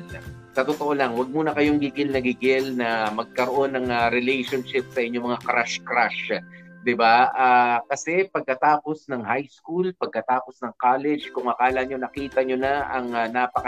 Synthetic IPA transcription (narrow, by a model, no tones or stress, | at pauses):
sɐt̪ot̪oʔolɐŋwɐɡ̚muːnɐkɐjoŋɡiɡɪlnɐɡiɡɪlnɐmɐɡ̚kɐɾoʔo̞nːɐŋɐɾɛlɛjʃonʃɪp̚sɐʔɪɲːomɐŋakɾaʃkɾaʃd̪ɪbaʔaːkɐsɛpɐɡ̚kɐt̪aːpo̞snɐŋhajskulpɐɡ̚kɐt̪aːpo̞snɐŋkalɛd͡ʒkʊŋɐkaːlɐɲo̞nɐkiːt̪ɐɲonaʔɐŋnapɐkɐ